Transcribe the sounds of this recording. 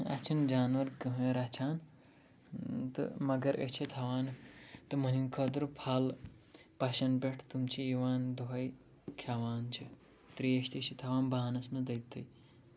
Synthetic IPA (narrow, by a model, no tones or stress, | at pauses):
ɐ̰t͡ʃʰɐnd͡ʒaːnʋɐɾkəɦɾat͡ʃʰaːn | t̪ɨ̰mɐɡɐɾʔə̰t͡ʃʰit̪ʰɐʋaːnt̪ɨmɐnikʰɐd̪ɾupʰaːl | paʃɐnbeʈʰt̪umt͡ʃʰiiʋaːnd̪oɦɐj | kʰaʋaːnt͡ʃʰi | t̪ɾiest̪et͡ʃʰit̪ʰɐʋaːnbaɦanɐsmed̪ɐjt̪ːɐj